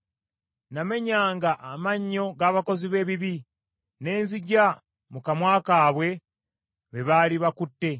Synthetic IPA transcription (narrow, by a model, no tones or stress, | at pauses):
name̞ɲaːŋɡaʔamaɲːo̞ɡaːβako̞ziβe̞ːβiβi | ne̞ːnziɟa | mukamwaːkaːβwe̞ | βeβaːliβakutːe̞